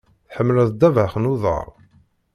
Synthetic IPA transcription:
θħəmːləðˤd̪ːævaχnuðˤə̰ɾˤ

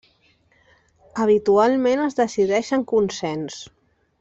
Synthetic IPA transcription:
əβ̞it̪ualˠmenəzðəsiðɛʃəŋkunsɛns

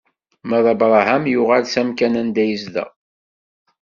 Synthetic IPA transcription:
mæðˤɑbɾˤɑɦæmjʊʁælsæmkænænd̪æjəzðæ̰

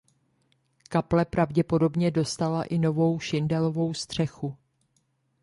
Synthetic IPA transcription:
kaplɛpɾavɟɛpo̞do̞bɲɛdo̞st̪alaʔɪno̞vo̞wʃɪndɛlo̞vo̞wst̪r̝̥ɛxu

